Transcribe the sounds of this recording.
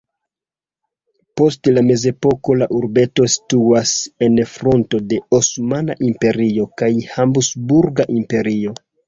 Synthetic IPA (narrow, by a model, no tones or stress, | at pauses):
po̞stlame̞ze̞po̞ko̞laʔuɾbe̞to̞si̥tuase̞nfɾo̞nto̞de̞osmana̰ʔimpe̞ɾio̞kajhambusbuɾɡaʔimpe̞ɾio̞